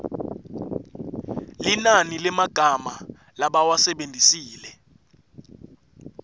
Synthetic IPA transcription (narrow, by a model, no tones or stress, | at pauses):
linanilɛmaɡ̥ʱama | laɓawasɛɓendʱisiːlɛ